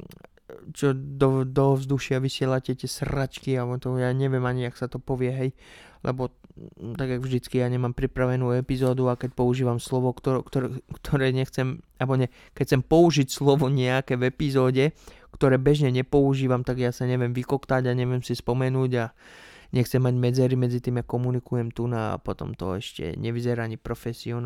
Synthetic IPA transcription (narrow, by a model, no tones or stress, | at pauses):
t͡ʃɔd̪ɔd̪ɔvzd̪uʃɪaʋisɪɛlacɛt̪ɪɛsɾat͡ʃkiaɔt̪ɔjaːɲɛʋɪɛmaɲiaksat̪ɔpɔʋɪɛɦɛjlʔɛ̰bɔt̪aɡjaɡvʒd̪it͡skijaːɲɛmampɾipɾaʋɛnuːɛpizɔːd̪uakɛc̚pɔuʒiːʋamslɔʋɔkt̪ɔkt̪kt̪ʰɔɾɛːɲɛxt͡sɛmabɔɲɛ | kɛc̚t͡sɛmpɔuʒicslɔʋɔɲɛakɛvɛpizɔːɟɛ | kt̪ɔɾɛːbɛʒɲɛɲɛpɔuʒiːʋamt̪aɡjaːsaɲɛʋjɛmʋikɔkt̪aɟaɲɛʋɪɛmsispɔmɛnuːɟaɲɛxt͡sɛmːaɟmɛd͡zɛɾimɛd͡zit̪iːmjakɔmunikujɛmt̪unaa̰pɔt̪ɔ̰mt̪ɔ̰ɛʃcɛ̰ɲɛʋizɛɾaaɲipɾɔfɛsiɔn